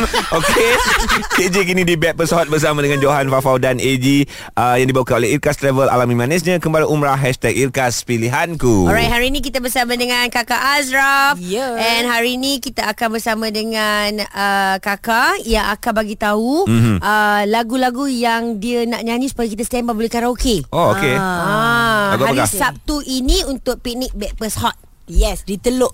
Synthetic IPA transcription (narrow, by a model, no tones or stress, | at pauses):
okʰeked͡ʒek̬inĩdibɛt̪̚pəsawat̪̚bərs̬amadəŋãnd͡ʒoɦanfafawdanʔed͡ʒi | ʔəjaŋdibaukanoleirkast̪ɾɛvəla̰lamĩmãnisɲãkəmbaliʔumɾahɦɛʃt̪ɛk̚irkaspiliɦankuɔɾajt̪̚haɾiːnĩk̬it̪abərsamãdəŋãnkakaʔasɾafɛnɦaɾinikit̪aakanbərsamãdəŋanəkakajaŋakabaɡit̪aum̩ʔəlaɡulaɡujaŋdianaʔɲãɲisu̥pajakit̪ast̪ɛmbabolɛhkaɾãokeʔookeãaɡuakasap̚t̪uʔinĩunt̪ʊk̚pik̚nik̚bɛʔ̚bəshɔt̪̚ | jɛsdit̪əlʊʔ